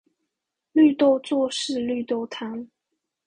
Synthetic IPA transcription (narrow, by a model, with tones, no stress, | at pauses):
ly˥˧t̪o˥˧ʊt͡swɔ˥˧ʂɻ̩˥˧ly˥˧t̪o˥˩ʊt̪ʰa˧˥n